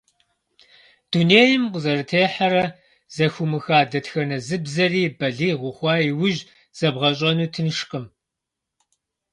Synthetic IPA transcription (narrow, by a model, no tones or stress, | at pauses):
d̥uneːjɪmqʊzɐrɨtʰeːħɐɾɐ | z̥ɐxʷʊmɨxaːdɐtxɐnɐzɨbzɐriːbɐɮiːʁʷʊχʷɑːjiwʊʒ | z̥ɐbʁɐɕʼɐnuːtʰɨnʃqəm